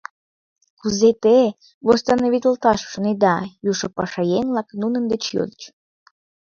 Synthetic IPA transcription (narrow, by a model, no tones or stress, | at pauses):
kuzet̪e | vost̪ɑnoβʲit̪ʲəlt̪ɑʃʃoned̪ɑjuʃopɑʃɑjenlɑknunənd̪et͡ɕjo̰d̪ət͡ɕ